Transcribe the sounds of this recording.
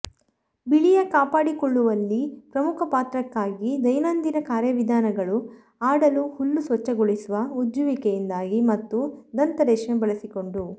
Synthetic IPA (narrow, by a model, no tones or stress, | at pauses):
biɭijɐkaːpaːɽikɔɭːuʋɐlːipɾɐmukʰɐpaːt̪ɾɐkːaːɡid̪ɐjnɐnd̪inɐkaːɾjɐʋid̪ʱaːnɐɡɐɭu | aːɽɐluhulːusʋɐt͡ʃːɐɡoɭisuʋɐud͡ʒuʋikejind̪aːɡimɐt̪ːud̪ɐnt̪ɐɾɛːʂɐmbɐɭɐsiko̞ɳɖu